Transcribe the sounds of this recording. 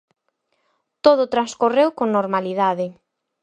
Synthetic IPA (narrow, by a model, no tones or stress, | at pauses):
t̪oðʊt̪ɾaskorewkoŋnoɾmaliðaðɪ